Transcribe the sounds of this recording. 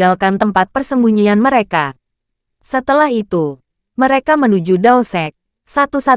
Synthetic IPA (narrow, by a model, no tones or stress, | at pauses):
alkant̪əmpat̪̚pərsəmbuɲianməɾeka | sət̪əlahit̪u | məɾekamənud͡ʒudasɛk̚ | sat̪usa